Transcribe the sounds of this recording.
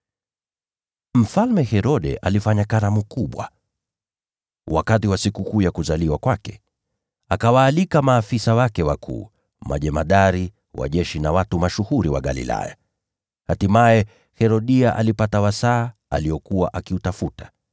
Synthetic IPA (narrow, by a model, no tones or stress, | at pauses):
m̩falmɛhɛɾɔɗɛ̰ʔalifaɲakanamukuɓwa̰ | wakatiwasikukuːjakuzaliwakwakɛ̥ | akawaːlikamaːfisawakɛwakʰṵː | ma̰ʄɛmaɗaɾi | wa̰ʄɛʃinawatumaʃuhuɾiwa̰ɠa̰lḭla̰ja̰ | hatimajɛ | hɛɾɔɗiaʔa̰lipatawasaːa̰liɔkuwa̰ʔakiutafutḁ